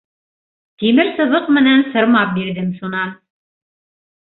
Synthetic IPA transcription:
t̪imɘɾsɤ̆βɤqmɘ̆nænsɤ̆ɾmɑp̚biɾðɘmʃunɑn

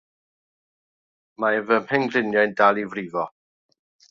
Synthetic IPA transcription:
maɛvəmpɛŋɡrɪnjajndalˠivriːvɔ

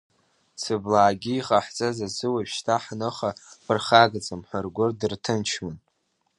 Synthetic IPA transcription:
sɨblaːɡʲiiχʼaħt͡sʼazazɨwapʃtʰaħnɨχapʰɨrχaɡt͡sʼɨmħʷarɡʷʊrdɨrtʰɨnt͡ʃʰman

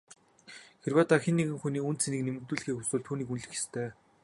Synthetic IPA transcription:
xerwaːt̪aːxenːeɣɘ̆ŋxuniːunt̪sʰeniːknemɘ̆k̚t̪uːɮɘ̆xiːkxusuːɮt̪ʰuːniːkunɮɘ̆xe̥st̪ʰeː

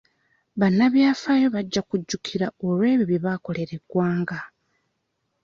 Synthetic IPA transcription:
βanːaβjaːfaːjo̞βaɟːakuɟːukʰiɾao̞lwe̞ːβjiβiβako̞le̞ɾe̞ɡwaːŋɡa

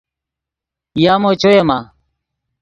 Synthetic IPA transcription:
jaːmoːt͡ʃʰoːeːmaː

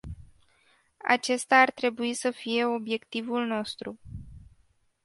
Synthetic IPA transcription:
a̰t͡ʃe̞st̪aːrt̪ɾe̞buisəfije̞o̞bje̞kt̪ivulno̞st̪ɾu

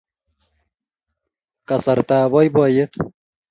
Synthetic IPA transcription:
kɐsɐɾt̪aːbɔjbɔːjet̪ʰ

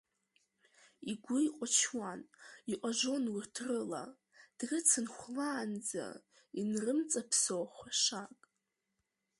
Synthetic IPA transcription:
iɡʷʊjqʷʼat͡ʃʰwaniʔʷʼaʒʷo̞nwirtʰrɨla̰ | d̥rɨt͡sʰɨnχʷlaːnd͡za̰ | inrɨmt͡sʼapʰsowχʷaʂakʼ

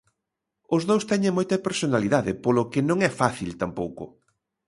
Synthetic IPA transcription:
ʊzðowst̪ɛɲẽŋmojt̪ɐpeɾsonaliðaðɪpolʊkɪnõŋɛfaθilt̪ampowkʊ

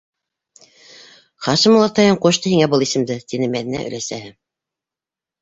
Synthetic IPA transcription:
χɑʃɤmulˠɑt̪ɑjɤɴqoʃt̪ɤhiŋæbɤlˠisɘ̆md̪ɘt̪inɘmæðinæ̰ʔɵ̰̆læsæhɘ

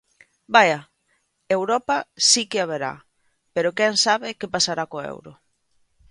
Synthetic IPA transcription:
baja | ewɾɔpasikeaβeɾa̰ | peɾokɛŋsaβɪkepasaɾakoḛwɾo̰

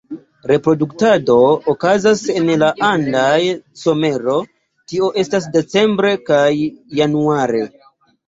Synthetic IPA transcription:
ɾe̞pɾo̞duktado̞ːkazase̞nlaʔandajso̞me̞ɾo̞ | tio̞ʔe̞stas̬de̞t͡se̞mbɾe̞kajːanuaɾe̞

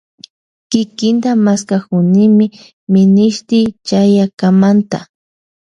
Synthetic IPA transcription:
kɪkɪnt̪amaskakʊnɪmɪ | mɪnɪʃt̪ɪt͡ʃajakamant̪a̰

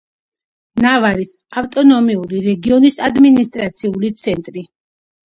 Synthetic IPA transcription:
navaɾis | aft̪ʼɔnɔmiuɾiɾɛɡiɔnisad̪minist̪ʼɾat̪sʰiulit̪sʰɛnt̪ʼɾi

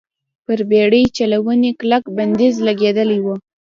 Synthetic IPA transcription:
pəɾbeɽəjt͡ʃalawəneklakband̪ezlaɡed̪əlajwə

